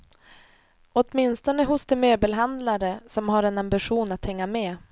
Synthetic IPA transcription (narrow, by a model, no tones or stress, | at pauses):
ɔt̪mɪnst̪ɔnəɦʊsd̪ɛmøːbəlɦand̪laɾəsɔmɦaɾɛnambɪɧuːnat̪hɛŋːamɛː